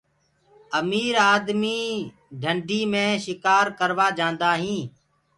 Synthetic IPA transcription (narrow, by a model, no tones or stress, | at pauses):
əmiːɾaːd̪miː | ɖʱəɳɖʱiːmẽːʃɪkaːɾkəɾʋaːd͡ʒãːnd̪aːɦĩː